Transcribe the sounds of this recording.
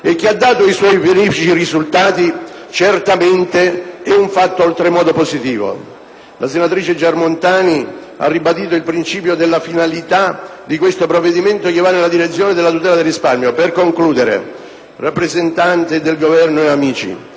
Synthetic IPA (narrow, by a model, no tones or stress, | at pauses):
ekːiad̪ːaːt̪oiswɔjbeɾiːfit͡ʃirizult̪aːt̪it͡ʃert̪ament̪eɛuɱfat̪ːoolt̪ɾemɔːd̪opozit̪iːvo̰ | lʔasenat̪ɾiːt͡ʃed͡ʒarmont̪aːni | a̰rːibad̪iːt̪oilpɾint͡ʃiːpjod̪elːafinalit̪ad̪ikwest̪opɾovːed̪iment̪ok̟ɪvːanːelːad̪iɾet̪sːjoːned̪elːat̪ut̪ɛːlad̪elrːisparmjoperkoŋkluːd̪eɾḛ | rapːɾezent̪ant̪ed̪elɡovɛrnoeamiːt͡ʃḭ